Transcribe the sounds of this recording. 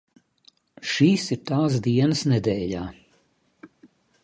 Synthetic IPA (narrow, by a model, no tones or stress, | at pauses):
ʃiːsiɾt̪aːs̬d̪iɛnəsnɛd̪ɛːʎaː